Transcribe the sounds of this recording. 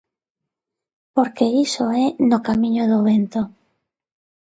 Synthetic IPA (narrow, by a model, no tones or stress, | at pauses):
poɾkeisoɛnokamĩɲoðoβent̪o